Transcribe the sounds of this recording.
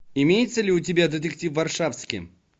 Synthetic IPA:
imʲejɪt̪səlʲɪʊt̬ʲɪbʲad̪ʲet̪ʲek̚tʲifvarʂafskʲḭ

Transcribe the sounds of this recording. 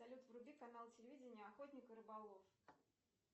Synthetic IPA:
ɐlʲut̪vrʊbʲikanalˠt͡sʲɪlʲɪvʲid͡zʲɪnʲɪjəɐxot̪ʲnʲɪkɨɾɨbalˠof

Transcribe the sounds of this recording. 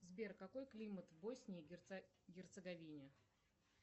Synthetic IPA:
zbʲerkːɐko̞jklʲimət̪bosʲnʲɪjʲ | ɡʲɪrt̪səɡɐvʲinʲɪ

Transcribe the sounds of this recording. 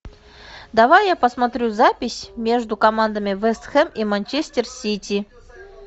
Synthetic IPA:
d̪ɐvajːapəsmɐt̪ɾʲuzapʲɪsʲmʲe̞ʐd̪ʊkɐmand̪əmʲɪvɛst̪xɛmimanʲt͡ɕesʲtʲɪrsʲitʲi

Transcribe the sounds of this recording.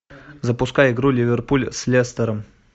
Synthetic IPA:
zɐpʊskajɪɡɾulʲivʲerpulʲsʲlʲest̪əɾəm

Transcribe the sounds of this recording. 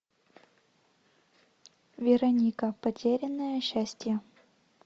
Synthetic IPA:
vʲɪɾɐnʲikəpɐtʲeɾʲɪnːəjəɕːæsʲtʲjə

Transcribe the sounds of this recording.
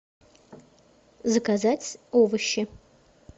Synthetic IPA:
zɐkazat͡sʲovɨʃɪ

